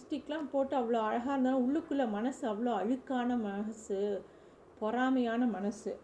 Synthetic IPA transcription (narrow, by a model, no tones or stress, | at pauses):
sʈɪkːlãːpoːʈːɯɐʋɐɭoːɐɻɐɣaːɾɯnd̪aːãʊɭːɯkːɯɭːɐmɐnɐsɯɐʋːɐɭoːɐɻɯkːaːnɐmɐɐsɯ | pɔɾaːmɐjaːnɐmɐnɐsɯ